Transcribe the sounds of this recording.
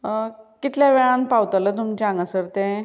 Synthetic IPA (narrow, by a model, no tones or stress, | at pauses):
kit̪ljaʋeɭãnpawt̪alət̪umt͡ɕãŋɡəsəɾt̪ẽ